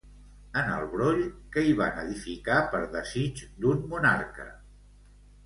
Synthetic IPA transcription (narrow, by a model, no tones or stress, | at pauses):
ənə̰lˠβɾoʎkəiβa̰nəðifikapəɾðəzid͡ʒd̪unmunaɾkə̰